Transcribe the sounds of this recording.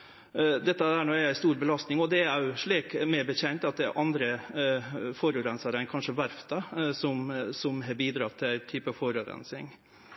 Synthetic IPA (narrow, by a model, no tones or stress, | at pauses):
d̪ɛt̪ːəæɳoːæɪst̪uːɾbəlɑst̪nɪŋɔd̪ɛæɾæjʊʂɭiːkmɛɾbəçɛnt̪ɑt̪̚d̪ɛæ̰ɾʔɑnd̪ɾə | fɔɾʉɾɛnsɑɾæɪnkʰɑnʂəʋæɾft̪ɑsɔmsɔmɦɑːɾbiːd̪ɾɑt̪ʰːɪlæɪt̪ʰyːpəɑfɔɾʉɾɛ̰nsɪ̰ŋ